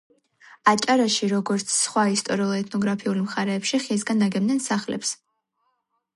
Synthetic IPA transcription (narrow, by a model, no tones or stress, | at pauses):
at͡ʃʼaɾaʃiɾɔɡɔɾt̪sʰsχwaist̪ʼɔɾiulˠɛt̪ʰnɔɡɾapʰiulmχaɾɛːpʃiχis̬ɡand̪aɡɛbnɛnsaχlɛ̰ps